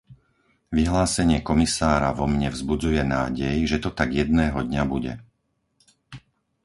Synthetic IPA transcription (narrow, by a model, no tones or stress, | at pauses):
ʋiɦlaːsɛɲɪɛkɔmisaːɾaʋɔmɲɛvzbud͡zujɛna̰ːɟɛjʒɛt̪ɔt̪aɡjɛd̪̚nɛːɦɔd̪ɲabuɟɛ̰